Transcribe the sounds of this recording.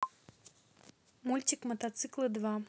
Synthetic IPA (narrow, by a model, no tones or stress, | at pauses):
mulʲt͡sʲikmɐt̪at̪sɨklˠɨd̪va